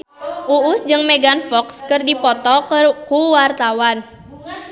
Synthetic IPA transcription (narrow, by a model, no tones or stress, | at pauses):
ʔuʊsd͡ʒɨŋmɛɡanfɔkskɨrdipɔt̪ɔkuwart̪awan